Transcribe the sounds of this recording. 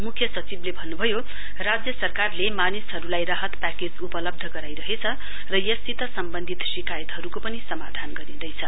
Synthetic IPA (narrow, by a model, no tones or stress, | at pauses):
mukʰjʌsʌt͡siblebʱʌnːubʱʌjo | rad͡zjʌsʌrkarlemanisɦʌɾulajɾaɦʌt̪paked͡zupʌlʌb̚d̪ʱʌɡʌɾajɾʌɦet͡sʰʌ | rʌjʌst̪it̪ʌsʌmbʌnd̪ʱit̪ʃikajʌt̪ɦʌɾukopʌnisʌma̰d̪ʱanɡʌɾid̪ʌjt͡sʰʌ